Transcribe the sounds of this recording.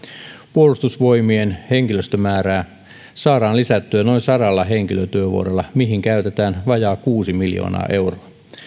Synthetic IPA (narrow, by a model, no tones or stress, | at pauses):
puolust̪usʋo̞jmienheŋkiløst̪ømæːɾæː | sɑːɾɑːnlisæt̪ːyæno̞insɑɾɑlːɑɦe̞ŋkiløt̪yøʋṵo̰ɾelːɑmiɦiŋkæyt̪et̪æːnʋɑjɑːkuːsimiljo̰ːnɑ̰ːʔe̞wroɑ